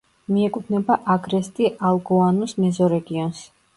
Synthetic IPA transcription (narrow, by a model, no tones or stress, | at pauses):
miɛkʼut̪ʰnɛbaʔaɡɾɛst̪ʼialˠɡɔanusmɛzɔɾɛɡiɔns